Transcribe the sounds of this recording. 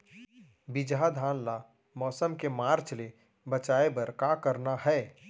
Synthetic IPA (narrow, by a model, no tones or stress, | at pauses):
bɪd͡ʒɦad̪ʱaːnla | mɔːsəmkemaːɾt͡ʃle | bət͡ʃaːebɐɾkakəɾnaɦɛː